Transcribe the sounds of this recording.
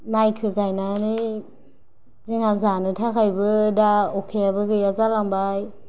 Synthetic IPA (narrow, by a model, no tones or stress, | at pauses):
majkʰɯɡajnanɯ | ziŋazanɯtʰakʰajbɯdaokʰeabɯɡɯjazalaŋbaj